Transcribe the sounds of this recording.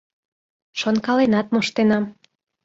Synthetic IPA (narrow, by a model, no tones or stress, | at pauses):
ʃonkɑlenɑt̪̚moʃt̪enɑm